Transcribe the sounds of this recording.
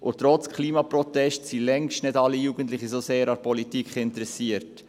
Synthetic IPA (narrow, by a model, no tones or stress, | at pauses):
ʔʊtɾɔt͡skʰliːmɑpɾɔtɛstsilɛŋʃtnɪdɑlːijuːɡ̥ən̩tlɪχisoseːɾɑpʰɔlitikχɪntɾɛsiəɾt